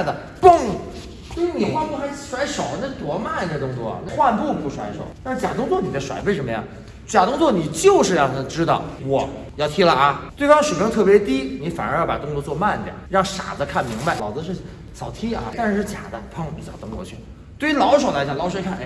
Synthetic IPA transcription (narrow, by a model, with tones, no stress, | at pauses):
d̪ə˨˩ | pə˥˩ŋ | swe˥˧˥ni˨˩xwa˥˧npu˥˩xa˧˥ɪ˥˩ʂwa˧˥ɪʂo˨˩ʊ˦n˥˩t̪wɔ˧˥ma˥˩n˧˩d̪ə˧˩t̪ʊ˥ŋt͡swɔ˥˩ɐ̰˨˩na˥˧xwa˥˧npu˥˧pu˥˩ʂwa˧˥ɪʂo̰˨˩˦ʊt̪a˥˧nʂɻ̩˥˩t͡ɕja˨˩t̪ʊ˥ŋt͡swɔ˥˩ni˨˩d̪ə˦ʂwa̰˨˩ɪwe˥˩ɪʂə˧˥mə˧jɑ̰˥˩ŋ | t͡ɕja˨˩t̪ʊ˥ŋt͡swɔ˥˩ni˨˩t͡ɕjo˥˧ʊʂɻ̩˥˧jɑ˥˧˩ʈ͡ʂɻ̩˥d̪ɑ˥˩ʊwɔ˨˩˦jɑ˥˩ʊt̪ʰi˥lə˧ʔɐ˧t̪we˥˩ɪfɑ˥ŋʂɻ̩ʰ˨˩i˥ŋt̪ʰɤ˥˩pjɛ˧˥t̪i˥ni˧˥fa̰˨˩nə̰˞˧˥jpa̰˨˩t̪ʊ˥ŋt͡swɔ˥˧t͡swɔ˥˧ma˥˩n˥˩d̪j̰ə̰˨˩˦ɻɑ˥˩ŋʂa̰˨˩d͡zə˦kʰa˥˩nmi˧˥ŋba˧ɪlɑ˨˧˥ʊ˥˧ə˧ʂɻ̩˥˩t͡ɕʰi˨˩ŋ | sɑ˨˩ʊt̪ʰi˥ɐ̰˧t̪a˥˧nʂ̩˥˧ʂɻ̩˥˩t͡ɕja̰˨˩d̪ə̰˦pʰɑ˥˩ŋpi˨˩t͡ɕjt̪ʊ˥ŋt͡swɔ̰˥˧t͡ɕʰy̰˥˩ | t̪we˥˧˥lɑ˧˥ʊʂ̬o˨˩la˧ɪt͡ɕa˨˩ŋlɑ˧˥ʊʂwkʰa˥˩nʔ